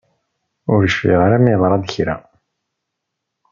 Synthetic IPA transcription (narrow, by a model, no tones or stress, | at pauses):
ʊɾəʃfḭʁaɾæmiðˤɾˤɑd̪çɾæ